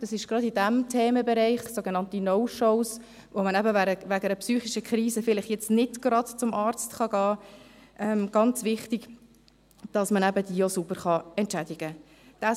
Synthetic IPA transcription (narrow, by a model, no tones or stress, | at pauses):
d̥ɑsɪʃɡ̥ɾɑdid̥æmtʰɛːməbɛɾæɪχsoɡenɑntinoʊʃɔʊs | vomənæbəʋæɡəʋæɡəɾəpsyːχiʃəkχɾiːsəfɪlɪχjɛt͡stnɪdɡ̥ɾɑdt͡sʊmʔɑːɾt͡stχɑɡɑːʔɛmɡ̥ɑnt͡svɪχtiɡ | d̥ɑsmənæbəd̥iːosubəɾχɑɛntt͡ʃædiɡə | d̥æ